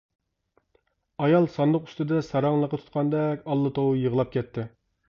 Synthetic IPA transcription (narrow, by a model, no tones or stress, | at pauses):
ɑjɑlˠsɑnd̪ʊqy̥st̪ɪd̪ɛsɑɾɑŋlˠəqːɑt̪ʰu̥t̪̚qʰɑnd̪ɛkʲɑlˠːɨt̪ʰowjəʁəlˠɑp̚kʲɛt̪ʰːɪ